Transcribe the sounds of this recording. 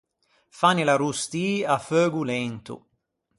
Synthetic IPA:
fanilaɾust̪iːaføːɡulɛnt̪ṵ

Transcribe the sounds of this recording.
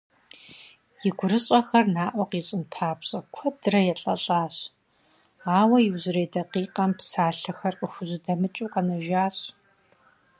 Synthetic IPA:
jɪɡʷʊɾɨɕʼɐxɐrnaːʔʷɔqiːɕʼɪnpʰaːpɕʼɐkʷʰɔdɨrɐjɛɬʼɐ̰ɬʼaːɕ | aːwɐjɪwzɨɾeːdɐqiːqʼɐmpsaːɬɐxɐrqəxʷʊʑʷɪdɐmɨt͡ʃʼuːqɐnɐʒaːɕ

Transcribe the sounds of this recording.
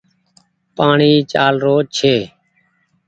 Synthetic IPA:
paːɳiːt͡ʃaːlɾoːt͡ʃʰeː

